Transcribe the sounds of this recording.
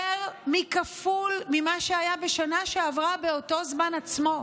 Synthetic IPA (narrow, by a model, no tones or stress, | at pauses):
eʁmikafulmimaʃeajabe̞ʃanaʃeavʁabe̞o̞to̞zmanat͡smo̞